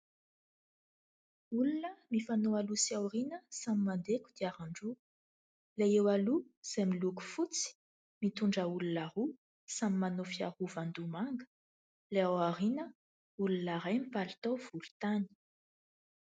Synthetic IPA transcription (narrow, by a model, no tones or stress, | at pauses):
ulunəmifanoalusiawrinəsamimand̪ekud̪̥iaɾaɳɖ͡ʐu | lejewaluz̥amiluku̥fut͡si̥ | mit̪uɳɖ͡ʐəulunaɾu | samimanofiaɾuvand̪umaŋɡə̥ | leawaɾinə | ulunaɾajmipalt̪owv̥ulu̥t̪ani̥